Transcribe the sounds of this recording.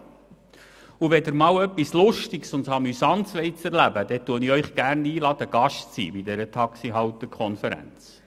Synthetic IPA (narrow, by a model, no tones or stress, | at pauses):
uʋɛdəɾmɑːwœpːislʊʃtɪksʊntsɑmysɑntsʋɛɪt͡sɛɾlæbəd̥ɛt̪uəniœʏχɡ̥ærniːlɑd̪əɡ̥ɑʃtt͡sḭːbid̪ɛɾət̪ʰɑksiɦɑwt̪əkʰɔnfəɾæ̰nt͡s